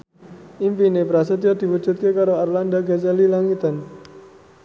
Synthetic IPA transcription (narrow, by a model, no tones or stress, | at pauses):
ʔimpinepɾasət̪iad̪̥i̤wud͡ʒṳt̪̚kekaɾoarlandaɡat͡ʃalilaŋit̪an